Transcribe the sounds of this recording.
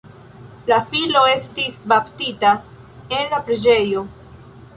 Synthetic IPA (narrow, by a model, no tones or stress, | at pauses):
lafilo̞e̞stisbaptita | e̞nlapɾed͡ʒe̞jo̞